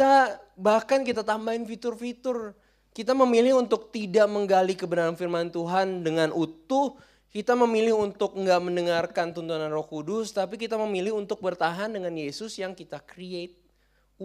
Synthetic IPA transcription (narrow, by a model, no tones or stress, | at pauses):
t̪abahkankit̪at̪ambaɪnfit̪ʊrfit̪ʊr | kit̪̬aməmilɪɦunt̪ʊk̚t̪idaʔməŋɡalikəbənaɾanfirmant̪uɦandəŋanʔut̪ʊh | kit̪aməmilɪhunt̪ʊk̚ŋɡaʔməndəŋarkant̪unt̪unanrɔhkudʊst̪ap̬ikit̪aməmilɪhunt̪ʊk̚bərt̪aɦandəŋanjesʊsjaŋkit̪akɾiet̪̚